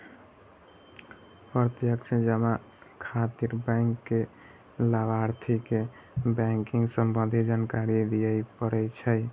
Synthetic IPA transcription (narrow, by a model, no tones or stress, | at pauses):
pəɾt̪jəkt͡ʃʰed͡ʒəma | kʰat̪iɾbajŋkːe | labaɾt̪ʰike | bɛ̃ŋkiŋɡsəmbənd̪ʱid͡ʒankaɾid̪ijəjpəɾɛt͡ʃʰəj